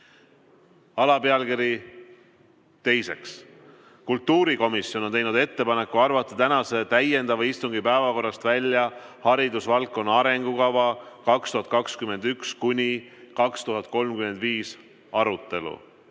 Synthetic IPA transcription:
ɑlɑpe̞ɑlkiɾi | t̪e̞jse̞ks | kult̪ːuːɾiko̞misːjono̞nt̪ejnud̪e̞t̪ːe̞pɑne̞kːuɑrvɑt̪ːˑɑ̥t̪ænɑse̞t̪æje̞nd̪ɑvɑist̪uŋɡipæevɑko̞rːɑst̪vælʲjɑhɑɾid̪usvɑlkːˑo̞nːɑɾe̞ŋɡ̥ukɑvɑkɑkst̪uhɑt̪kɑkskyme̞nd̪ykskunʲikɑkst̪uɦɑt̪̚ˑko̞lmkyme̞nd̪viːs | ɑɾut̪ˑːe̞lṵ

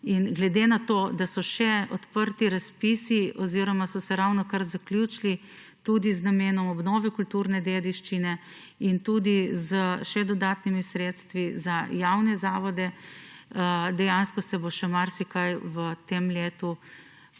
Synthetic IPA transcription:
inɡlɛd̪enat̪oːd̪asɔʃɛɔt̪pəɾt̪iɾaspisiɔziɾɔmasɔsɛɾawnɔkaɾzaklʲjut͡ʃli | t̪ud̪iznameːnɔmɔbnɔːʋɛkult̪uɾnɛd̪ed̪iʃt͡ʃinɛ | int̪ud̪izəʃɛd̪ɔd̪aːt̪nimisɾeːt̪st̪ʋizajawnɛzaːʋɔd̪ɛ | əd̪ɛjanskɔsɛboʃɛmaɾsikajwət̪emleːt̪u

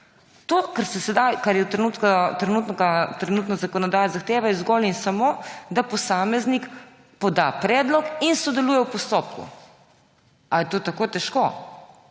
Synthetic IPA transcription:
t̪oːkɐɾsɛsɛd̪ajkaɾjɛt̪ɾɛnuːt̪kat̪ɾɛnuːt̪nɡat̪ɾɛnuːt̪nɔzakɔnɔd̪aːjazaxt̪eːʋajɛzɡɔlinsamoːd̪apɔsaːmɛznik | pɔd̪apɾɛːd̪lɔkinsɔd̪ɛluːjɛwpɔst̪oːp̚kṵ | ajɛt̪oːt̪akoːt̪ɛʃko

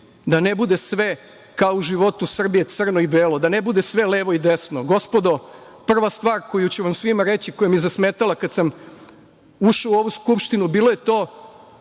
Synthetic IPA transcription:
d̪anebud̪e̞sʋe̞ | kaouʒiʋo̞t̪usr̩bije̞t̪sr̩noibeːlod̪anebud̪e̞sʋe̞leːʋo̞id̪esno̞ɡo̞spo̞d̪o̞ | pr̩ʋast̪ʋaːɾko̞jut͡ɕeʋamsʋimaɾet͡ɕikojamizasmeːt̪alakad̪sam | uʃauo̞ʋuskupʃt̪inubiːlˠo̞jet̪o̞ː

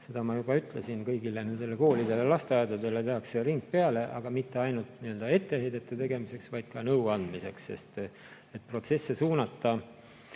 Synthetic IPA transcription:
se̞d̪ɑmɑjub̥ɑyt̪ˑle̞sinkɤjɡ̥ilene̞nd̪̥e̞leko̞ːlid̪̥e̞le̞lɑst̪eɑjd̪ɑd̪e̞le̞t̪e̞ɑkseriŋɡ̚pe̞ɑle̞ʔɑɡ̥ɑmit̪ːeɑjnult̪niø̞ld̪ɑe̞t̪ːe̞he̞jd̪̥et̪ːˑet̪e̞ɡ̥e̞mise̞ksvɑjd̪̥̚kɑnɤwɑnd̪̥mise̞kse̞̰st̪ | e̞t̪̚pro̞t̪se̞sːe̞suːnɑt̪ˑːɑ

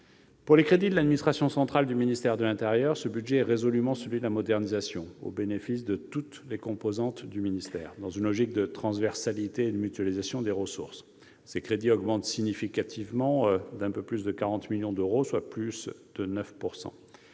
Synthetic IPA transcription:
puʁlekχed̪id̪əlad̪minist̪χasjɔ̃sɑ̃t̪χald̪yminist̪ɛʁd̪əlɛ̃t̪eʁjœʁsəbyd̪ʒɛɛʁezɔlymɑ̃səlɥid̪əlamɔd̪ɛʁnizasjɔ̃o̰benefis̬d̪ət̪ut̪lekɔ̃pozɑ̃t̪d̪yminist̪ɛ̰ːʁd̪ɑ̃zynlɔʒik̚d̪ət̪χɑ̃svɛʁsalit̪eːd̪əmyt̪yalizasjɔ̃d̪eʁəsṵʁs | sekχed̪iɔɡmɑ̃t̪siɲifikat̪ʰivmɑ̃d̪ɛ̃pøplysd̪əkaʁɑ̃t̪miljɔ̃d̪øʁoswaplysd̪̥ənœfpuʁsɑ̰̃

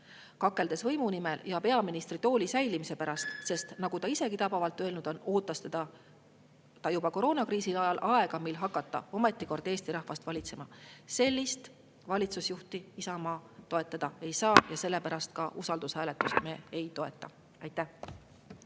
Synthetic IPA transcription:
kɑkːˑe̞ld̪e̞svɤ̞jmunime̞ljɑpe̞ɑminist̪rit̪o̞ːlʲisæjlimise̞pæɾɑst̪se̞st̪nɑɡut̪ɑise̞ɡit̪ɑbɑvɑlt̪ːˑø̞e̞lnud̪̥o̞no̞ːt̪ːˑɑst̪ed̪ɑ | t̪ɑjubɑko̞ɾo̞ːnɑkriːsilɑjɑlʔɑe̞ɡ̥ɑmilɦɑkːˑɑt̪ˑːɑ̰o̞me̞t̪ːˑiko̞rd̪̥e̞ːst̪iɾɑhvɑst̪vɑlʲit̪se̞mɑse̞lʲːist̪ | vɑlʲit̪susjuht̪iisɑmɑːt̪o̞et̪ˑːɑd̪̥ɑe̞jsɑːjɑse̞lːe̞pæɾɑst̪kɑʔusɑld̪ushæːlet̪ːˑust̪me̞ːejt̪o̞e̞t̪ːˑɑ | ɑjt̪ːˑæh

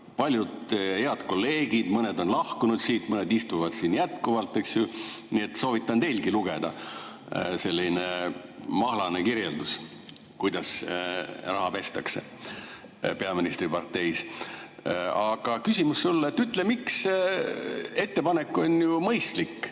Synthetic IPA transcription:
pɑlʲjud̪he̞ɑd̪̥ko̞lːe̞ːɡ̥id̪̥mɤne̞d̪o̞nlɑhkunud̪̥siːt̪mɤned̪ist̪uvɑd̪̥siːnjæt̪kuvɑlt̪ːˑeksjuniet̪ːso̞ːvit̪ˑːɑnt̪e̞jlkiluɡ̥e̞d̪̥ɑ | se̞lʲːinemɑhlɑne̞kiɾjeld̪us | kujd̪ɑs | rɑɦɑpe̞st̪ɑkse̞̰ | pe̞ɑminist̪ripɑrt̪e̞js | ɑɡ̥ɑkysʲimusːulːet̪ːyt̪ːlemiks | e̞t̪ːe̞pɑne̞kːˑo̞njumɤjst̪likːˑ

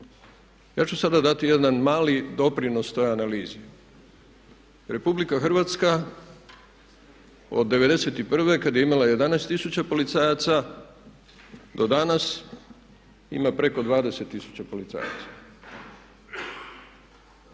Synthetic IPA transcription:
jaːt͡ʃusad̪ad̪at̪ije̞d̪anmaːlid̪o̞pɾino̞st̪o̞janaliːzi | ɾe̞publikaxr̩ʋat̪ska | o̰d̪ːe̞ʋe̞d̪e̞se̞t̪ipr̩ʋe̞kad̪je̞imalaje̞d̪anɛːst̪isut͡ɕapo̞lit̪saːjat̪sa | d̪o̞d̪anas | ḭmapɾe̞ko̞d̪ʋaːd̪e̞se̞t̪ːisu̥t͡ɕapo̞lit̪sa̰ːja̰t̪sḁ

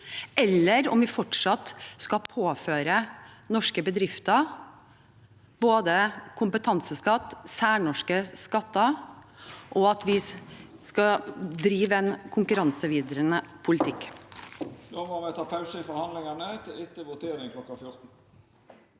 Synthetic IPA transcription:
ɛlːəɾɔ̰mʋɪfɔʈʂɑt̪skɑpʰoːføːɾənɔʂkəbəd̪ɾɪft̪ə | boːd̪əkʰʊmpət̪ʰɑnsəskɑt̪ːsæːɳɔʂkəskɑt̪ːə | ʔɔɑt̪ʋɪskɑd̪ɾiːʋəɛnkʰʊŋkʉɾɑnsəʋiːd̪əɾənəpʰʊlɪt̪ʰɪkː | noːmoːmɛt̪ʰɑːpʰɑʉsəɪfɔɾhɑnlɪŋɑnət̪ʰɪlɪt̪əʋʊt̪ʰeːɾɪŋkʰlɔkːɑfjʊɾt̪n̩

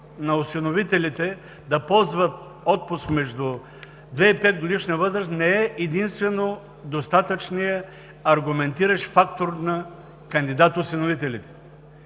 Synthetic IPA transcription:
nɐʊsinovit̪ɛlit̪ɛ | d̪ɐpɔlˠzvət̪̚ | ɔt̪̚pʊskmɛʒd̪ʊ | d̪vɛipɛt̪̚ɡod̪iʃniəvɤzɾəst̪nɛɛʔɛd̪inst̪vɛno | d̪ost̪at̪ət͡ʃnijə | ɐɾɡʊmɛnt̪iɾəʃfakt̪oɾnɐ | kɐnd̪id̪at̪ʊsɛnovit̪ɛlit̪ɛ̥

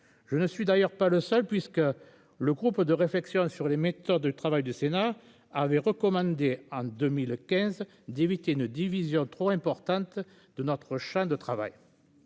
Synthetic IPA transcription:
ʒ̥ənəsɥid̪ajœʁpaləsœlpɥiskə | ləɡʁupd̪əʁeflɛksjɔ̃syʁlemet̪ɔd̪d̪yt̪χavajd̪ysena | avɛʁəkɔmɑ̃d̪eɑ̃d̪əmilkʲɛ̃z | d̪evit̪eynəd̪ivizjɔ̃t̪χoɛ̃mpɔʁt̪ɑ̃t̪ | d̪ənɔt̪χəʃɑ̃d̪ət̪χava̰j

